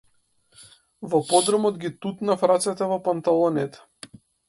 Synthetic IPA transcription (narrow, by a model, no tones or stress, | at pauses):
vɔpɔd̪ɾɔmɔd̪ɡʲit̪ut̪nafɾat̪sɛt̪ɛvɔpant̪alˠɔnɛt̪ɛ̥